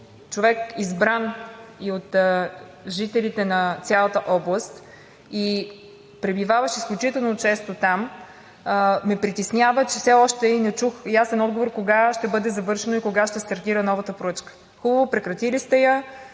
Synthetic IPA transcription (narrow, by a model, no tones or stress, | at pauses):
t͡ʃovɛkizbɾaniot̪ | ʒit̪ɛlit̪ɛnɐt̪sʲjalˠət̪əʔɔblˠəst̪ | i | pɾɛbivavɐʃisklʲut͡ʃit̪ɛlˠnot͡ʃɛst̪ot̪am | mɛpɾit̪ɛsnʲavət͡ʃɛfsɛɔʃt̪ɛinɛt͡ʃuxjasɛnɔd̪̚ɡovoɾkoɡaʃt̪ɛbɤd̪ɛzɐvɤɾʃɛnoikoɡaʃt̪ɛst̪ɐɾt̪iɾənɔvət̪əpoɾɤt͡ʃkə̥ | xubəvopɾɛkɾɐt̪ilist̪ɛjə